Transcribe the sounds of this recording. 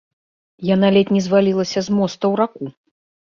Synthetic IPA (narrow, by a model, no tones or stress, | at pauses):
janalʲɛt̪ʲnʲɛzvalʲilˠɐsʲɐzmɔst̪ɐwɾaku